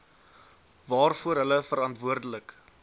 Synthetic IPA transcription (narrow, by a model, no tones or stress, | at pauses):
vɑːrfuəɾɦələfəɾɐntvuərdələk